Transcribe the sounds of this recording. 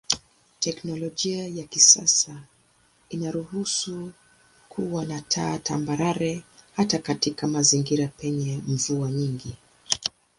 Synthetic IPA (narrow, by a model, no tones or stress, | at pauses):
tɛknɔlɔʄiajakisasa | inaɾuhusu | kʰuwanatʰaːtʰambaɾaɾɛhatakatikamaziŋɡiɾapɛɲɛɱ̩vuaɲiŋɡi